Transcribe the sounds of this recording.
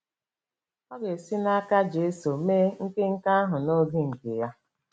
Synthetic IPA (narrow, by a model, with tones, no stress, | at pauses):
ɔ˦ɡe˨si˦na˦ka˦d͡ʒe˦so˨me˦ŋ̩˦ke˦ŋ̩˦ka˦a˦ɦʊ˨no˦ɡi˦ŋ̩˨ke˨ja˦